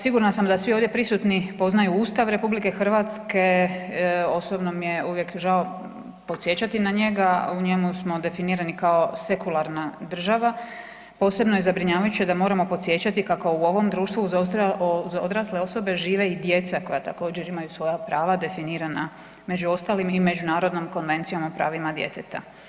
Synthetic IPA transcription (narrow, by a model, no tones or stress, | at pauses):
siɡuɾnasamd̪asʋioʋd̪jepɾisut̪nipo̞znajuuːst̪aʋɾe̞publike̞xr̩ʋat̪ske̞ | o̞sobno̞mije̞uʋje̞kʒao | po̞t̪sje̞t͡ɕat̪inaɲe̞ɡauɲe̞musmo̞d̪e̞finiːɾanikaose̞kulˠaɾnad̪r̩ʒaʋa | po̞ːse̞bnojezabɾiɲaːʋajut͡ɕijed̪amo̞ːɾamo̞po̞t̪sje̞t͡ɕat̪ikako̞uo̞ʋo̞md̪ɾuːʃt̪ʋu | zod̪ɾasle̞o̞so̞be̞ʒiːʋe̞id̪je̞t̪sako̞jat̪ako̞ːd͡ʑe̞ɾimajusʋo̞japɾaːʋad̪e̞finiːɾana | me̞d͡ʑuo̞st̪aːlimime̞d͡ʑunaːɾo̞d̪nomko̞nʋe̞nt̪sijo̞mopɾa̰ːʋimad̪jḛt̪et̪a̰